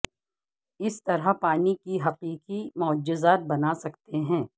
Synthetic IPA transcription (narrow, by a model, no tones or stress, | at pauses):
ɪst̪ɐɾapaːnikiɦɐqiːqimʊəd͡ʒːɪzaːt̪̚bɐnasɐkt̪eɦɛ̃ː